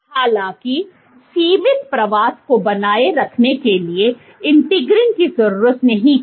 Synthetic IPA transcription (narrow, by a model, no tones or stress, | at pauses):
haːlãːki | siːmɪt̪pɾɐʋaːskobɐnaːeɾɐkʰnekelie | ɪ̃nʈɪɡɾɪnkizɐɾuːɾət̪nɐɦĩ